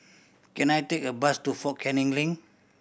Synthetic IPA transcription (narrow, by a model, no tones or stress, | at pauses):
kɛ̃najtek̚əbastufɔkʰɛ̃nĩŋlĩŋ